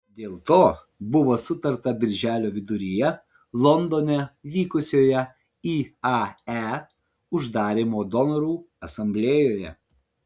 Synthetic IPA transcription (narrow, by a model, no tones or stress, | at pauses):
d̪ʲeːlˠt̪oː | bʊʋoːsʊt̪ɐɾt̪ɐbʲɪɾʲʒʲæːlʲoːʋʲɪd̪ʊɾʲɪjɛ | lˠɔnd̪oːnʲɛʋʲiːkʊsʲoːjɛ | iːɑæ | ʊʒd̪ɑːɾʲimoːd̪ɔnɔɾuː | ɐsɐmʲbʲlʲeːjoːjɛ̰